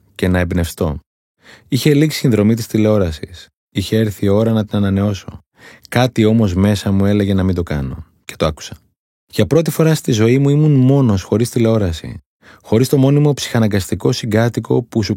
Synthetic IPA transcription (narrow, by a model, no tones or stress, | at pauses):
ce̞nɐebne̞fst̪o̞̰ | içe̞liksi̥sinðɾo̞mit̪ist̪ile̞o̞ɾɐsis | içe̞eɾθio̞ɾɐnɐt̪inɐnɐne̞o̞so̞̰ | kɐt̪io̞mo̞zme̞sɐmue̞le̞ʝe̞nɐmind̪o̞kɐno̞̰ | ce̞t̪oɐku̥sɐ̥ | ʝɐpɾo̞t̪̬ifo̞ɾɐst̪izo̞imuimunmo̞no̞sxo̞ɾist̪ile̞o̞ɾɐsḭ | xo̞ɾist̪o̞mo̞nimo̞psi̥xɐnɐŋɡɐst̪iko̞siŋɡɐt̪iko̞̰pusu